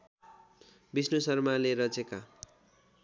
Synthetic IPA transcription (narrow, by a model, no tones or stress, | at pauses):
bisnosʌrmaleɾʌd͡zeka